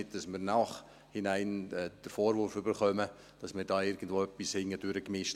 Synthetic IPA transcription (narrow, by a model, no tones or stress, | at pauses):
ɪt̚d̥ɑsmɪːɾnɑːχ | hɪnaɪnɛːd̥əɾfoːɾvʊɾfybəɾχœmə | d̥ɑsmɪːɾd̥ɑːɪɾɡən̩dvʋoːœpːishɪŋːəd̥øɾəkmɪʃt